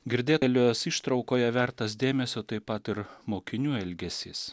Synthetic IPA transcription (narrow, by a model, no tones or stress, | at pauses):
ɡʲɪɾʲd̪ʲeːtlʲosiːʃt̪ɾɒʊkoːjɛʋʲæɾt̪ɐs̬d̪ʲeːmʲɛsʲoːt̪ɐɪpɐt̪ɪɾmoːkʲɪnʲuːɛlʲɡʲɛsʲiːs